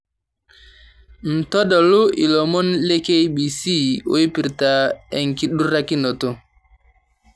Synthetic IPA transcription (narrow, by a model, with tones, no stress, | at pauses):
n̩˨tɔ˦ɗɔ˨lu˦ʔi˨lɔ˨mɔ˦nle˦ke˦jɓi˨si˦˨o̰˦i˦pi˨ɾta˨ɛ˨ŋki˨ɗu˦ɾa˦ki˦nɔ˨to˦